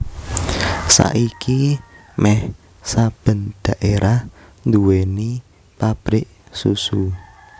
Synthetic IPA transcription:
sa̰ʔikimɛh | sab̥ə̤nd̪̥ä̤ʔeɾah | nd̪uweni | pab̥ɾɪʔ | susu

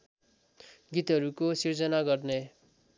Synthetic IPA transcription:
ɡit̪ɦʌɾukosird͡zʌnaɡʌrne

